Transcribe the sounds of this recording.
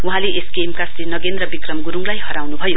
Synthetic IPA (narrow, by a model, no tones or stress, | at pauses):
uɦãleʔesɡemkasinʌɡend̪rʌbikrʌmɡuɾuŋlajɦʌɾawnubʱʌjo